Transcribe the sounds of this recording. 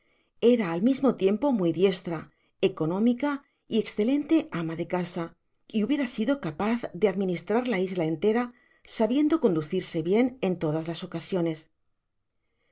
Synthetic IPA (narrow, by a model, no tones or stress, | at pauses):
e̞ɾaːlmizmo̞t̪je̞mpo̞muijðje̞st̪ɾa | e̞ko̞nõ̞mika | ie̞ksθe̞lẽ̞nt̪e̞amaðe̞kasa | iuβje̞ɾasiðo̞kapaθðe̞aðmĩnist̪ɾaɾlaizlae̞nt̪e̞ɾa | saβje̞nd̪o̞ko̞nd̪uθiɾse̞βje̞ne̞nt̪o̞ð̞azlaso̞kasjo̞ne̞s